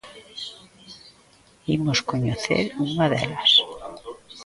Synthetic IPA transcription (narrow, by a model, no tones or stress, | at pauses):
imoskoɲoθḛɾuŋaðḛlas